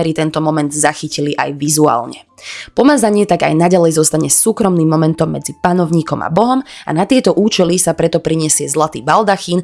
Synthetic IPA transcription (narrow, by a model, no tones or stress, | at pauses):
ɛɾit̪ɛnt̪ɔmɔmɛnd̪zaxiciliʔa̰jʋizua̰ːlɲɛ̰ | pɔmad͡zaɲɪɛt̪aɡa̰jnaɟalɛjzɔst̪aɲɛsuːkɾɔmniːmːɔmɛnt̪ɔmːɛd͡zipanɔʊɲiːkɔma̰bɔɦɔma̰nat̪ɪɛt̪ɔʔuːt͡ʃɛlisapɾɛt̪ɔpɾiɲɛsɪɛzlat̪iːbald̪axin